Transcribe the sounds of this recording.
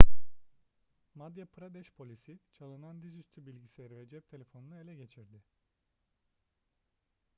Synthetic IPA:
mad̪japʰɾad̪ɛʃpʰo̞lʲisit͡ʃʰalˠɯnand̪izyst̪ʰybilʲɟisilʲeɾivɛd͡ʒɛp̚t̪ʰe̞lʲefo̞nunue̞lʲɛɟe̞t͡ʃʰiɾd̪ɪ

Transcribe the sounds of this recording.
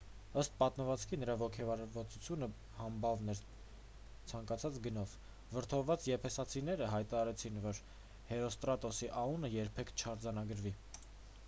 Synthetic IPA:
əst̪̚pɑt̪məvɑt͡skʰinəɾɑvɔkʰɛvɑɾvɑt͡sut͡sʰjunə | hɑmbɑvnɛɾ | t͡sʰɑŋkɑt͡sʰɑt͡sɡənɔv | vəɾt̪ʰɔvvɑt͡sjɛpʰɛsɑt͡sʰinɛɾəɦɑjt̪ɑɾɑɾɛt͡sʰinvɔɾ | hɛɾɔst̪ɾɑt̪ɔsiʔɑunəjɛɾpʰɛkʰt͡ʃʰɑɾd͡zɑnɑɡəɾvi

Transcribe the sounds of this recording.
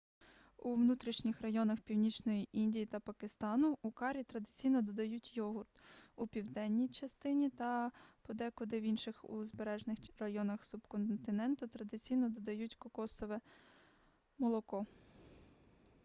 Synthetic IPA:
uʋnut̪ɾʲiʃnʲixrɐjɔnɐxpʲiwnʲit͡ʃnɔjiʔinʲdʲijit̪ɐpɐkɪst̪ɑnʊːkɑɾʲit̪ɾɐd̪ɪt͡sʲijnɔd̪ɔd̪ɐjutʲjɔɦʊrt̪upʲiwd̪ɛnʲːijt͡ʃɐst̪ɪnʲit̪ɐpɔd̪ɛkɔd̪ɪwinʃɪxuzbeɾɛʒnɪxrɐjɔnɐxsubkɔnt̪ɪnɛnt̪ʊt̪ɾɐd̪ɪt͡sʲijnɔd̪ɔd̪ɐjutʲkɔkɔsɔʋɛ | mɔlˠɔkɔ

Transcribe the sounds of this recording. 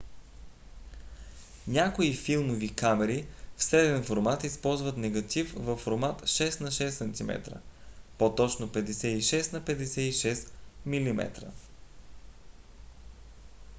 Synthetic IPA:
nʲakoifilˠmovikamɛɾifsɾɛd̪ɛnfoɾmat̪ispɔlˠzvət̪nɛɡɐt̪ifvɐfːoɾmat̪ʃɛst̪nɐʃɛsːɐnt̪imɛ̰t̪ɾə̰pot̪ɔt͡ʃnopɛd̪ɛsɛiʃɛsnɐpɛd̪ɛsɛiʃɛsmilimɛ̰t̪ɾə̰

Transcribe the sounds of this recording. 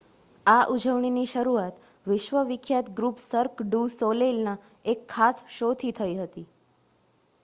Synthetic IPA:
aʔud͡ʒʱəʋɳ̃iniʃəɾuat̪ | ʋɪʃʋəʋikʰjat̪ɡɾupsəɾkɖusolelna | ekʰːasʃot̪ʰit̪ʰəiɦət̪i

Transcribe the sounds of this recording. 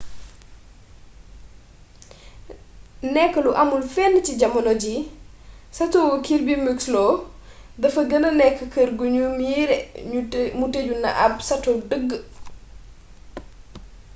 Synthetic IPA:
nɛkːəluʔɐmulfɛnːəciɟɐmɐnɔɟi | sɐtɔwɐkiɾbimukslɔː | dɐfɐɡənənɛkːəkəɾɡuɲumiɾɛ | muteɟunɐ̰ʔɐb̚sɐtɔdəɡːə

